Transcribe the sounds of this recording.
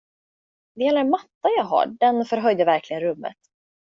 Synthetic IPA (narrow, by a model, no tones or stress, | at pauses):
vɪɛlːəmat̪ːajaːɦa̰ɖɛnfœɾɦœjd̪əvæɾkʰlɪɡənɾɵmːə̰t̪